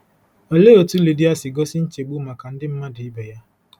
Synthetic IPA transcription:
o˨le˦o˨tu˦li˨di˦a˦sɪ˨ɡɔ˦sɪ˦n̩˦t͡ʃe˨ɡ͡bu˦˨ma˨ka˨n̩˦dɪ˦m̩˦ma˦dɪ˨ɪ˦be˨ja˦

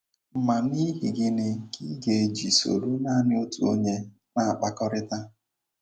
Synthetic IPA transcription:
m̩˨ma˨ni˦ɦi˨ɡɪ˦nɪ˦ki˦ɡe˨e˨d͡ʒi˨so̰˨ɾu˦na˦nɪ˦o˦tu˨o̰˦ɲe˦ | na˨a˨k͡pa˦kɔ˦ɾɪ˦ta˦

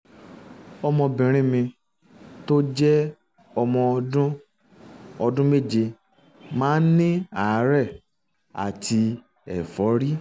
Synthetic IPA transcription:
ɔ˧mɔ̃˧bĩ˨ɾ̃ĩ˦mĩ˧ | to˦d͡ʒɛ˦ | ɔ˧mɔ̃˧dũ˦ | ɔ˧dũ˦me˦˨d͡ʒe˧ | mãː˦nĩ˦a˨˦ɾɛ˦˨ | a̰˨tʰi˧ | ɛ˨fɔ˨˦ɾi˦

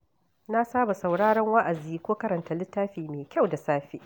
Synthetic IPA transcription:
na˦saː˦ba˨sa˨wɽaː˦ɽɐ˦ŋwa˦ʔa˨ziː˦kʷoː˦kɐ˦ɾɐ˨nta˨lɪ˦tːaː˦ɸiː˨meː˨kʲa˦˨wda˨saː˦ɸi˦

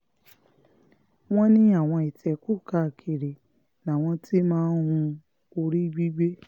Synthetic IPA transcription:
w̃ɔ̃˦nĩ˦a˦˨w̃ɔ̃˧i˨tʰɛ˨˧ku˦˨ka˧˨kʰi˨ɾe˨ | nã˨w̃ɔ̃˧ti˦mãː˦n˦hũ˧ | o˧ɾi˦ɡ͡bi˦ɡ͡be˦

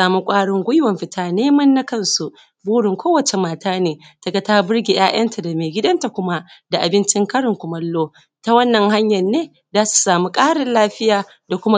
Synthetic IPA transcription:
aː˨mu˦kʷʼaː˦ɽɪ˦ŋɡʷʊ˦jwɐ˨mɸɪ˦tʰaː˦neː˦mɐ˦nːa˦kɐ˦nsu˨ | buː˦ɽɪ˨ŋkʷoː˦wɐ˨t͡ʃe˨maː˨taː˦neː˨tɐ˨ɡɐ˨taː˦bɪ˦ɽɡʲe˨j̰ʔaː˦j̰ɐ˦ntʰa˨da˨meː˨ɡʲɪ˦dɐ˦nta˨kʷʊ˦ma˦ʔda˨ʔa˨bɪ˦nt͡ʃɪ˦ŋkɐ˦ɽɪ˨ŋkʷʊ˨mɐ˦lːoː˦ | ta˦wɐ˦nːɐ˨ŋɦa˦ɲjɐ˨nːeː˦ | zaː˦su̥˨saː˨mu˦kʼaː˦ɽɪ˨nlaː˦ɸɪ˦jaː˨ | da˨kʷʊ˦ma˦

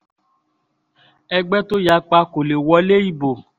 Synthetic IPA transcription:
ɛ˧ɡ͡bɛ˦to˦ja˧˦k͡pa˧ko˨le˨wɔ˧˦le˦i˦˨bo˨

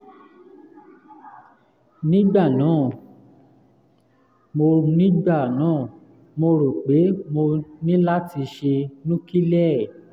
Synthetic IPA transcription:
nĩ˦ɡ͡ba˦˨nãː˨˦˨ | mo˧nĩ˦ɡ͡ba˦˨nãː˨˦˨ | mo˧ɾo˨k͡pe˨˦mo˧nĩ˦la˦ti˧ʃe˧nũ˦ki˦lɛ˦˨

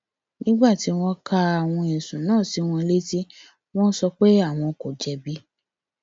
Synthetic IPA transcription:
nĩ˦ɡ͡ba˦˨ti˨˦w̃ɔ̃˧ka˧a˨w̃ɔ̃˧ɛ̃˨sũ˨nãː˦˨si˨˦w̃ɔ̃˧le˦ti˦ | w̃ɔ̃˦n̩˦sɔ˧k͡pe˦a˦˨w̃ɔ̃˧ko˨d͡ʒɛ˧bi˦

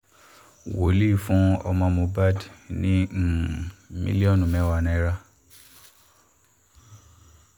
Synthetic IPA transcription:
wo˨˦li˦˨fũ˦ɔ̰˧mɔ̃˧mõ˧ba˦dnĩ˦˨mḭ˦li˦ɔ̃˦˨nũ˨mɛ̃˨˦˨wa˧˨nã˧˦ɾa˧

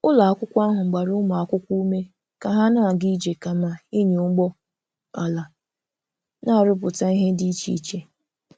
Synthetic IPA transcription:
ʊ˦la˨a˦kʷʊ˦kʷa˦ɦʊ˨ŋ͡m̩˨ɡ͡ba˨ɾʊ˦ma˨a˨kʷʊ˦kʷu˦me˦ | ka˨ɦa˦na˦˨ɡi˦d͡ʒe˨ka˨ma˨i˦ɲe˨ʊ˦ŋ͡m̩˦ɡ͡bɔ˦ | a˨la˨ | na˦˨ɾʊ˦p̬ʊ˨ta˦i˦ɦe˦di˦t͡ʃḭ˨˦t͡ʃe˦

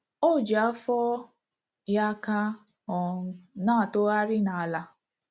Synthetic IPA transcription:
o˦˨d͡ʒa˦fɔ˦ | ja˦ka˦ | ɔ˨˦naː˦˨to˦a˦ɾɪ˦na˨a˨la˦

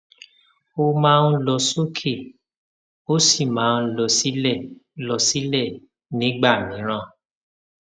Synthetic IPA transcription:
o˦mãː˦˧n̩˦lɔ˧so˦kʰe˦˨ | o˦si˦˨mãː˨˦˧lɔ˧si˦lɛ˦˨lɔ˧si˦lɛ˦˨ | nĩ˨˦ɡ͡ba˦˨nĩ˨˦ɾ̃ã˦˨

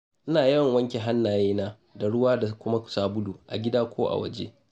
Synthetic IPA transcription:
ʔɪ˦naː˨jɛ˦˨ŋwɐ˦ŋkʲe˨ɦa˦nːaː˨jeː˦naː˦ | da˨ɽʊ˦waː˦da˨kʷʊ˦ma˦kʊ̥˨saː˦bʊ˦duː˨ʔa̰˨ɡʲɪ˦daː˦kʷʰoː˦ʔa̰˨wɐ̰˦d͡ʒḛː˦

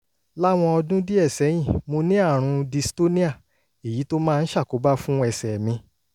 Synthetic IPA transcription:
la˦w̃ɔ̃˧ɔ˧dũ˦di˦ɛ˦˨sɛ˨˦j̃ĩ˦˨mo˧nĩ˦a˦˨ɾ̃ũ˧di˧sto˦nĩ˦a˦˨ | e˨ji˨˦to˦mãː˦˧n̩˦ʃa˦˨ko˨˦ba˦fũ˦ɛ˧˨sɛ˨mĩ˧

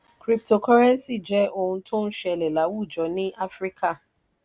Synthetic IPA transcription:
kɾi˦p̚to˨kɔ˦ɾɛ̃˦n˦si˦˨d͡ʒɛ˨˦ʔo˧hũ˧tʰo˦n̩˦ʃɛ˦˧˨lɛ˨la˨˦wu˦˨d͡ʒɔ˨˦nĩ˦ʔa˦fɾi˦kʰa˦˨

